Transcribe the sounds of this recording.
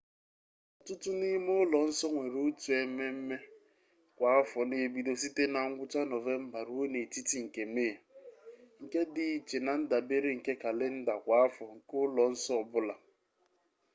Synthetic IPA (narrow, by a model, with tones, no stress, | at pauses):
ɔ˨tʊ˦tʊ˦ni˦m˦ʊ˦lɔ˨n̩˦sɔ˦ŋʷe˨ɾu˦tu˨e˨me˦m̩˦me˦ | kʷa˨a˦fɔ˨ne˨˦bi˦do˦si˦te˦na˨ŋ̩˦ɡʷʊ˦t͡ʃa˦nɔ˨ve˦m̩˦ba˨ɾu˦o˦ne˨ti˦ti˨ŋ̩˨ke˨me˦a˨ | ŋ̩˨ke˦dɪ˨i˨t͡ʃe˨na˨n̩˦da˨be˦ɾe˦ŋ̩˨ke˦ka˨le˦n̩˦da˨kʷa˨˦a˦fɔ˨ŋ̩˨kʊ˦lɔ˨n̩˦sɔ˦˨bʊ˦la˨